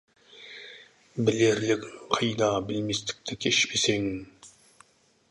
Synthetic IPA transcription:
bɪleɾlɪkʲqʰɑjd̪ɑbɪlmest̪ʰɪ̥k̚ʲt̪ʰɛkʲʰeʃpʰeseŋ

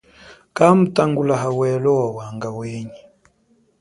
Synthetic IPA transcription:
kam̩taŋɡulaɦawɛlɔawaŋɡaweɲi

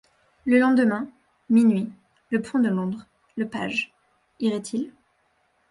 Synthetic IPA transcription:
ləlɑ̃d̪əmɛ̃ | minɥi | ləpʰɔ̃d̪əlɔ̃d̪ʁ | ləpa̰ʒ | iʁɛt̪ʰil

